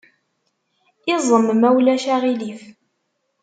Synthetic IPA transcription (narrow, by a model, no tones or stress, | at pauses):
ɪzˤəmmæwlæʃæʁilif